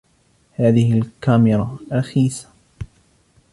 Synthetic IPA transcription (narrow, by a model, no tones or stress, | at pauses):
haːðɪhɪlkamɪɾˤɑɾˤɑxiːsḁ